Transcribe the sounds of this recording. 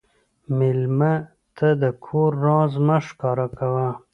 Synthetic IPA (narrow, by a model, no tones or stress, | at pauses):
mɪlma | t̪ʰad̪əkʰoɾːɑ̃ːzmaʂkɑːɾakawa